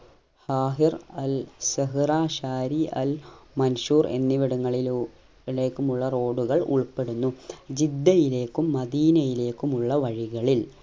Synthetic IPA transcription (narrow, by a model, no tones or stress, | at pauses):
haːɦirɐlsɐɦɨraːɕaːɾiʔɐ̰lmɐnʂuːrḛnːiʋiɽuŋːɐɭil | le̞ːkːumuɭːɐro̞ːɖuɣɐɭṵɭpe̞ɽunːud͡ʑid̪ːɐjile̞ːkːumːɐd̪iːnɐjile̞ːkːumuɭːɐʋɐɻiɣɐɭil